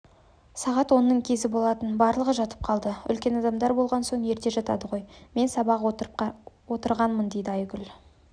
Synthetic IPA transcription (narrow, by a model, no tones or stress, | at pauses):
sɑʁɑt̪wo̞nːəɴkʲʰe̞zɪbolˠɑt̪ənbɑɾlˠəʁəʒɑt̪ə̥p̚qʰɑlˠd̪əʏ̰lkʲe̞nɑd̪ɑmd̪ɑɾbo̞lˠʁɑnso̞ɴje̞ɾt̪e̞ʒɑt̪ɑ̰d̪əʁo̞jme̞nsɑbɑq̪ | wo̞t̪əɾʁɑnmənd̪e̞jd̪ɪɑjɡʲʏl